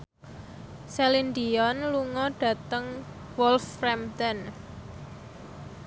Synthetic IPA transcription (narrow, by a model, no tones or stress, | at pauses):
sɛlind̪iɔnluŋɔɖ̥ä̤t̪əŋ | wɔlfɾɛmt̪ɛn